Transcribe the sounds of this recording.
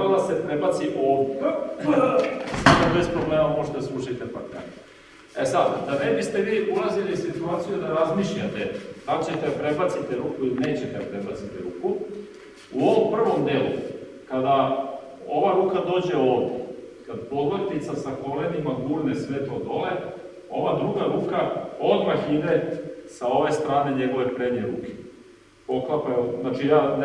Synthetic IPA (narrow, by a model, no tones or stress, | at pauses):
ɾad̪asepɾebat̪siʔo | samobe̞spɾo̞bleːmamoʒet̪esɾuʃit̪epa̰k̪a̰n | esad̪d̪anebist̪e̞ʋiːʔulazilisit̪uaːt̪sijud̪aɾazmiʃʎat̪et̪at͡ɕe̞t̪eapɾe̞bat̪sit̪eɾuːkuiline̞ːt͡ɕet̪ed̪apɾe̞bat̪sit̪eɾuːku | uo̞ʋompr̩ʋo̞md̪elṵ | kad̪a | o̞ʋaɾuːkad̪o̞ːd͡ʑe̞o̞ːʋd̪ḛkad̪po̞d̪ʋot̪it̪sasako̞lenimaɡuːɾne̞sʋeːt̪lˠod̪o̞le | o̞ʋad̪ɾuɡaɾuːkao̞d̪maxid̪e̞sao̞ʋe̞st̪ɾaːne̞ɲe̞ɡo̞ʋe̞pɾeɲeɾuːke̥ | po̞klapaonat͡ʃijaːn